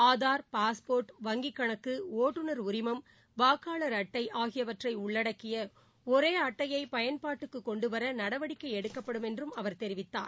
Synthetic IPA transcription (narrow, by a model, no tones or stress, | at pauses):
aːðaːɾpaːspoːɾʈʋɐŋɡɪkːɐɳɐkːɯoːʈːɯnɐɾʊɾɪmɐm | baːkːaːɭɐɾɐʈːɐɪʔaːɣɪjɐʋɐʈrɐɪʊɭːɐɽɐkːɪjɐ | ɔɾeːɐʈːɐjɐɪpɐjɐnpaːʈːɯkːɯkːɔɳɖɯʋɐɾɐnɐɽɐʋɐɽɪkːɐɪɛɽɯkːɐpːɐɽɯmɛndrɯmɐʋɐɾt̪ɛɾɪʋɪt̪ːa̰ːɾ